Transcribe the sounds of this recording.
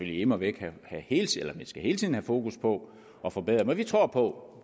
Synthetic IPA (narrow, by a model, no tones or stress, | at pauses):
føl̰jiemɒʋee̝ɡ̥hæhæhe̝ːlt͡sʰielɐmænsɡ̥æɦe̝ːlt͡sʰiðˠn̩hæfo̝ːkuspʰɒ̽ | ʔɒ̽fɒ̽b̥eð̰ˠɐmæʋit͡sʰʁo̝ɐ̰pʰɒ̽